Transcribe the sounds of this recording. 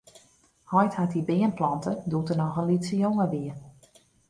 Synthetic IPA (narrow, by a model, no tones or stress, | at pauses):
hɔjthatibɪənplɑntədutənɔxənlitsəjoŋəʋiə